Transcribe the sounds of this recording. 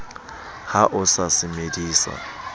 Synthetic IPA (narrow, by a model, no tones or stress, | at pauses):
haʔʊsasɪmediːsa̰